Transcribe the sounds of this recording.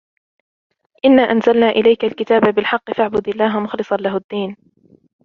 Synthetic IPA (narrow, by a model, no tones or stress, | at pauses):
ʔɪnːaːʔanzalnaːʔɪlajkalkɪt̪aːbabɪlħɑqːɨfaʕbʊd̪ɪlːaːɦamʊxlɨsˤɑnlaɦʊd̪ːiːn